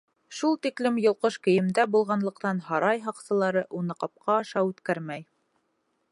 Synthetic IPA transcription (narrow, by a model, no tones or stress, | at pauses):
ʃulˠt̪iklɘmjŏlˠqɤʃkɘ̆jɘ̆md̪æbulˠʁɑnlˠɤ̆qt̪ɑnɦɑɾɑjɦɑqsɤ̆lˠɑɾɤʔunɤqɑp̚qʰɑːʃɑʉt̪kæɾmæj